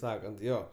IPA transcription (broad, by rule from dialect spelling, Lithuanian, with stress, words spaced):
ˈsɑːkɐnt ˈjoː